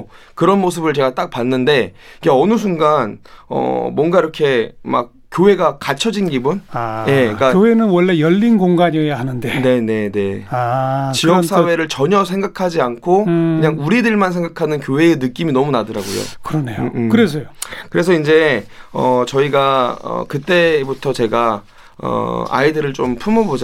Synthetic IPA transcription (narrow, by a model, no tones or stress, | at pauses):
kɯɾʌnmos̬ʰɯbɯɭt͡ɕe̞ɡat͈ak̚panːɯnde̞ | iɡeʌnɯs̬ʰuŋɡanʌ̰mwʌnɡaiɾʌkʰe̞ma̰k̚k͈joɦe̞ɡakat͡ɕʰʌd͡ʑinɡibunaje̞k͈ajoenɯnwʌɭːe̞jʌʎːinɡoŋɡaɲoɦanɯnde̞ne̞ne̞ne̞at͡ɕiʌks͈ʰawe̞ɾɯɭt͡ɕʌɲʌs̬ʰe̞ŋɡakʰad͡ʑiankʰokɯɲaŋuɾidɯɭmansʰe̞ŋɡakʰanɯnk̬joɦe̞ːnɯk͈iminʌmunadɯɾaɡo̰jo̰kɯɾʌnejkɯɾes̬ʰʌjokɯɾe̞s̬ʰʌind͡ʑe̞ʌ̰t͡ɕʌiɡaʌ̰kɯt͈e̞butʰʌt͡ɕe̞ɡa | ʌ̰a̰idɯɾɯɭt͡ɕ͈ompʰumʌbod͡ʑ